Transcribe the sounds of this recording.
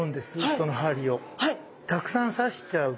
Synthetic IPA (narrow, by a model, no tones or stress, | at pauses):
nd̪e̞sɨsso̞noɦaɾʲio̞ | ha | t̪akɯ̟̥sãɰ̃saɕi̥taɯ